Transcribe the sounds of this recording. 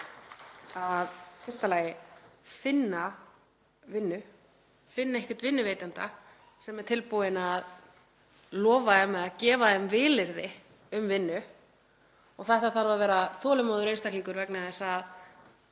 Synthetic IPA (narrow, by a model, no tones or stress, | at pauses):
aðfɪrst̪alaːjɪfɪnːa | vɪnːʏ | fɪnːaɛhcɪt̪vɪnːʏveːjt̪ant̪a | sɛmɛɾ̥t̪ʰɪlpuðɪnað | lɔːvaɛmːɛðaðcɛːvaðɛmvɪːlɪɾðɪ | ʏmvɪnːʏ | ɔɣθɛɛht̪aθaɾvavɛːɾaθɔːlʏmoːðʏɾejnst̪akliŋkʏɾvɛknaðɛsað